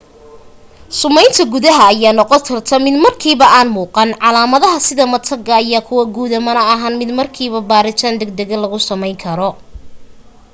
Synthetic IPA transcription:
sʊmɛjnt̪ʰɐɡuðɐɦɐːjaːnɔqɔt̪ʰɐrt̪ʰɐmɪd̪mɐrkʰiːβɐʔaːnmuːqɑnʕɑlaːmɐðɐɦɐsɪðɐmɐt̪ʰɐɡɐːjaːkʰʊwɐɡuːðɐmɐnɐɐɦɐnmɪd̪mɐrkʰiːβɐbaːɾɪt̪ʰaːnd̪ɛɡ̚d̪ɛɣɐlɐɣʊsɐmɛjŋkʰɐɾɔ

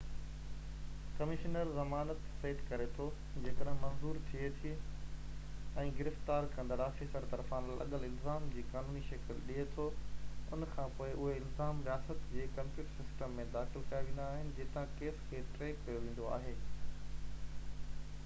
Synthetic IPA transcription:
kɐmɪʃnəɾzɐmaːnət̪seːʈkɐɾet̪ʰo | d͡ʑeːkəɗɦɪ̃mɐ̃nzuːɾt̪ʰiet̪ʰi | ɛ̃ːɡɪɾɪft̪aːɾkɐ̃nd̪əɾaːfisəɾt̪ɐɾfãːnlʔɐ̰ɠəlɪlzaːmd͡ʑiːkaːnuːniʃɐkɪlɗiet̪ʰoʊnkʰãpoːɪʔʊɦeɪlzaːmɾijaːsət̪d͡ʑeːkɐ̃mpʊːʈsɪsʈəmːẽd̪aːxɪlk̪ʰɐjaʋĩːn̆d̪aːɦɪnɪ̆d͡ʑeːt̪ãkeːskʰeːʈɾeːkkɐjoʋeĩːn̆d̪oa̰ːɦeː

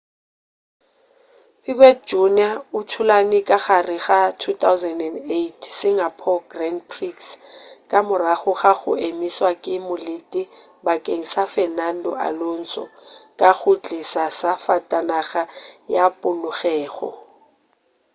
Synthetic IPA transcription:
fikʼwɛd͡ʒuniaʊtʰʊlanɪkʼaɣarɪɣatʰut̪ʰawzɛndɛndetʰsɪŋapʰɔɡrandpʰrikskʼamʊraχʊχaɣʊ̰emiswakʼɪmʊlɪtʼɪ | bakʼeŋ̩safɛnandɔ̰a̰lon̩t͡sʼɔ̰kʼaɣʊt͡ɬʼisasafatʼanaɣajapʼʊlʊɣɛːɣɔ̰

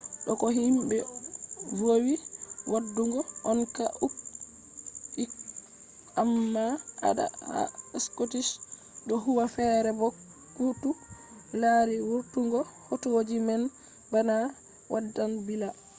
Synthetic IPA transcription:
ɗɔkɔɦimbɛ | vowiwadːuŋɡɔʔɔnkaʔuk̚ | ik | amːaa̰ɗa̰a̰ɛskotiʃ | ɗɔɦuwafɛɾɛbɔ | kutu | laɾiwuɾtuŋɡɔhotuwod͡ʒimɛn | bana | wʔadːanbila

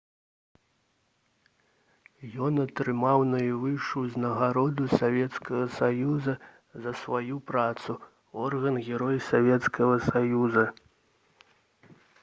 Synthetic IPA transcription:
jɔnɐt̪ɾɨmawnɐjivɨʂuznɐɣaɾɔd̪usavʲɛt̪skɐɣɐsajuzɐ | zɐsvajupɾat̪su | ɔrɣɐnɣʲɛɾɔjsavʲɛt̪skɐɣɐsajuzɐ

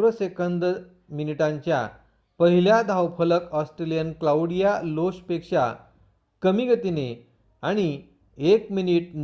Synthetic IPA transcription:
ɾəsekənd̪ | miniʈãɲt͡ɕja̰ | pəɦiljad̪ʱawpʰələkɔsʈɾelijənklauɽijaloɕpekʂa̰ | kəmiɡʱət̪ine | aɽ̃i | ekminiʈ̚n

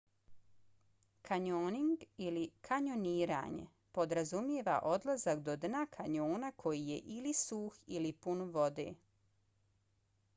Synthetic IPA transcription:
kʰaɲoːniŋɡilikʰaɲo̞niːɾa̰ːɲḛ | po̞d̪ɾazumjeʋa̰ʔo̞d̪lˠazakd̪o̞d̪nakʰaɲoːnakʰo̞jije̞̰ʔilisuːxilipunʋo̞d̪ḛː

